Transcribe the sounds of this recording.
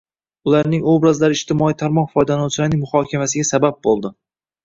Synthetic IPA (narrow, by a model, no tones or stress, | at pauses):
ʊlaɾnɪŋobɾazlaɾɪʃt̪ʰɪmɒijt̪ʰaɾmɒnfɒjd̪anɒwt͡ʃʰɪlaɾnɪŋmʊχɒkʲʰamasɪɡʲasabap̚bolˠd̪ɪ